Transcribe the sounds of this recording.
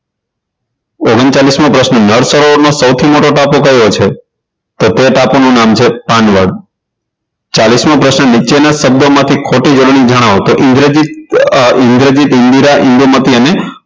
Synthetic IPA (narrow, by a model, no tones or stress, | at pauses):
oɡənt͡ʃalismãpɾəʃnənəɽsəɾonosəwt̪ʰimoʈoʈapokəjot͡ʃʰe | t̪ot̪eʈaponũnamt͡ʃʰepanʋəɽ | t͡ʃalismãpɾəʃnənit͡ʃenaʃəb̚d̪omãt̪ʰikʰoʈid͡ʒoɽɳ̃id͡ʒəɽ̃aʋot̪oʔɪ̃ŋɡɾed͡ʒiɪ̃ŋɡɾed͡ʒit̪ɪ̃nd̪iɾaʔɪ̃nd̪umət̪iəne